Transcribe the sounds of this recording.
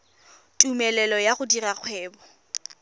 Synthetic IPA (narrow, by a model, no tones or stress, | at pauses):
tʼumɛlɛlɔjaχʊdirak͡xʰwɛːbɔ